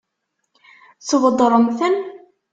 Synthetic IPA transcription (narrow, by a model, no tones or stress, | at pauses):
səvəd̪ˤɾˤəmθən